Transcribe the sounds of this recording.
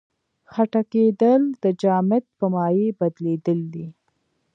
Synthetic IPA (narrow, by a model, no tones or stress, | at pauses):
xaʈaked̪əld̪̥əd͡ʒɑmɪt̪̚pəmɑjebad̪led̪əld̪i